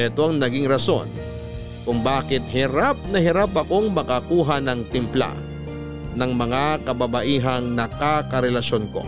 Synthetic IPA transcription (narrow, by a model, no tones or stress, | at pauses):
ɛt̪oɐŋnɐɡɪŋɾɐso̞̰n | kʊŋbaːkɪt̪̚hɪɾap̚nɐhɪɾapɐkoŋmɐkakuːɦanɐŋt̪ɪmpla̰ | nɐŋmɐŋakɐbɐbɐʔiːɦɐŋnɐkakɐɾɛlɐʃonko̞̰